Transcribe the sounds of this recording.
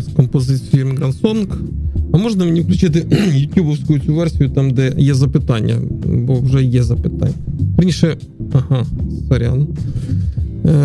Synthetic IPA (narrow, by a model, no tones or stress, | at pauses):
skompozʲɨt̪simʲɡɾɐnsonkɐmoʐnɐmnʲɪfklʲʉt͡ɕit̪ʲɪjʊt̪ʲjubofskʊjʊsʲʊvʲɛrsʲɪjʊt̪amd̪ɛjezɐpɨt̪anʲɪ̰jə̰boʐɛjezɐpɨt̪a̰nʲɪjpɾʲinʲʂɛ | ɐhasɐɾʲa̰n